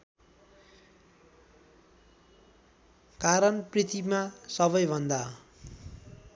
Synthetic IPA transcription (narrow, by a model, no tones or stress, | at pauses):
kaɾʌnprit̪imasʌβʌjbʱʌnd̪a